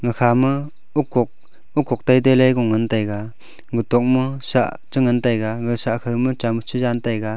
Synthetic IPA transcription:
ŋɯkʰamɯ | ukːɔk̚ | ukːɔk̚tajd̬ajlajɡɔŋɯntajɡa | ɡɯtɔk̚mɯsa̰ʔ | t͡ʃɯŋɯntajɡaɡɯsakʰɯjmɯt͡ʃamɯt͡ʃʰɯd͡ʒantajɡa

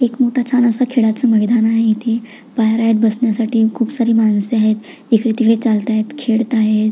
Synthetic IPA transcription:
ekmoʈʰat͡sʰanəsakʰeɽat͡səməɡd̪anaɦeit̪ʰiː | pajɾaɦet̪̚bəsnjasaʈiːkʰuːbsaɾiːmanseaɦet̪ | ikɽet̪ikɽet͡salt̪aɦet̪kʰeɽt̪aɦe

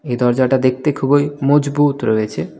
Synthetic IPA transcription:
ejd̪ɔɾd͡ʑaʈad̪ek̚ʰt̪ekʰubojmɔd͡ʑbut̪ɾoet͡ɕʰe

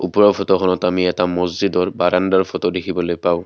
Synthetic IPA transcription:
upɔɹɔpʰɔtɔkʰɔnɔtamiɛtamɔzzidɔɹbaɹandaɹpʰɔtɔdekʰibɔlojpaʊ̃

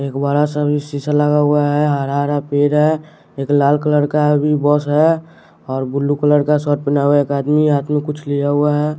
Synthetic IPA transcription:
eːkbaːɾasəbʱisisaləɡaɦʊaɦɛɦəɾaɾapeːɾɦɛ | eːklaːlkələɾkabʱibɔːsɦɛ | ɔːɾbʊlːukələɾkasɔʈ̚pɪnaɦuaeːkaːd̪miɦaːt̪ʰmẽkʊt͡ʃʰlijaɦʊaɦɛː

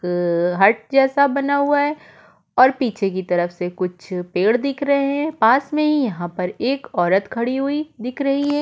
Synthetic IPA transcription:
kɦɐɾʈ̚d͡ʒɛːsabɐnaɦuaɦɛː | ɔːɾpiːt͡ʃʰek̬it̪ɐɾəfsekʊt͡ʃʰpeːɽd̪ɪkʰɾɐɦẽɦɛ̃paːsmẽɦijɐɦãpɐɾeːkɔːɾət̪kʰɐɽiɦuid̪ɪkʰɾɐɦiɦɛː

